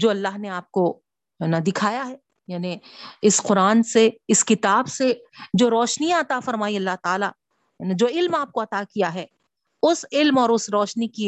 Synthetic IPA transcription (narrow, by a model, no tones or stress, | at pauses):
d͡ʒoːɐlːaːɦneaːp̚ko | ɦɛːnad̪ɪkʰaːjaɦɛː | jaːniɪsqʊɾaːnseɪskɪt̪aːbsed͡ʒoːɾɔːʃnijãɐt̪afɐɾmaːiɐlːaɦt̪aːla | janid͡ʒoːɪlmaːp̚koɐt̪akijaɦɛː | ʊsɪlmɔːɾʊsɾɔːʃniki